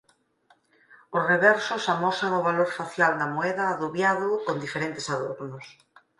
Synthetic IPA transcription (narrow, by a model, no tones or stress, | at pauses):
ʊsreβɛɾsʊsamɔsaŋʊβaloɾfaθjald̪ɐmoɛðɐːðuβjaðʊkond̪ifeɾent̪esaðoɾnʊs